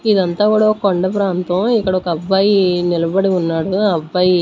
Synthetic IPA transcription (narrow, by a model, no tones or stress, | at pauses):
id̪ɐnt̪aːkuːɽɐoɐkoɳɖɐpɾaːnt̪ɐ̃mikːɐɽɐɔkɐːbːaːjinilɐbɐɽiunːaːɽuɐbːaːji